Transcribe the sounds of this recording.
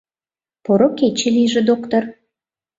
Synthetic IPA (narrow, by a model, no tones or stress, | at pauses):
poɾoket͡ɕĕlijʒĕd̪okt̪or